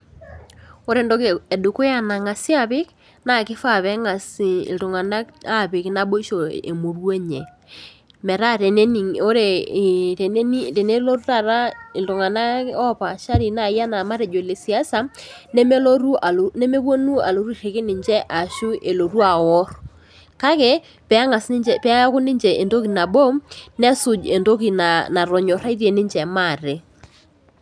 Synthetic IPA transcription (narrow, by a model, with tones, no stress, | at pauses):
o˦ɾe˨ndo˦ke˨dʊ˨kʊ˦ja˦na˨ŋa˨si˦a˦˨βɪ˦k | na˦˨kɪ˦fa˦˨βɛ˦ŋa˨sɪ˨ɪ̰˨ltʊ˨ŋa˨na˦ka˦˨pɪ˨kna˦ɓo˦i˦ʃo˨ḛ˨mo˨rwe˦ɲɛ˨ | mɛ˨ɾa˦ɾe˨ne˦ni˨o˦ɾe˨˦ | te˨ne˦lo˦ɾu˦ta˦˨ɾa˦ɪ˨ltʊ˨ŋa˨na˦ɔ˦pa˨ʃa˦ɾi˨na˦˨ja˦na˨ma˦ɾɛ˨d͡ʒo˨le˨si˨a˦sa˨ne˦me˦lo˦ɾu˦a˨lne˦me˦kwo˦nu˦a̰˨lo˨ɾu˦i˦˨ɾe˨kɪ˦nɪ˨ɲd͡ʒɛ˦ʔa˨ʃu˦ʔe˨lo˨ɾu˦a˨wɔ˦ɾ | ka˦kɛ˨ | pɛ˨˦ŋa˨sd͡ʒɛ˨pɛ˦kʊ˦nɪ˦ɲd͡ʒɛ˨ʔe˨ndo˦ki˨na˨ɓo˦nɛ˦sʊ˨d͡ʒe˨ndo˦ki˨na˨na˨ɾɔ˨ɲɔ˨ɾa˦i˦ðje˨nɪ˦ɲd͡ʒɛ˨ma˦˨ɾe˨